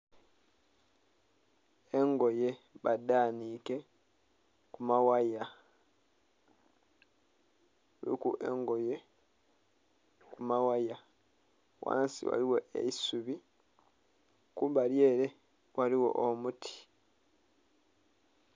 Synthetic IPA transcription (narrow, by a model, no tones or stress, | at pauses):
eŋɡo̞je̞βadaːnike̞ | kumawaja | ḭkuʔḛŋɡo̞je̞ | kumawaja | wa̰ːnsḭwa̰liwo̞ʔḛisuβi | kuβalje̞ːɾe̞ | wʔaliwo̞̰ʔomutʰi̥